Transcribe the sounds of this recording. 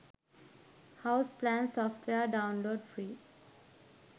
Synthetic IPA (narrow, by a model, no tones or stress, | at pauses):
haʊsplæ̃nsɔːfʈʰʋeəɾɖãʊ̃nloːɖfɾiː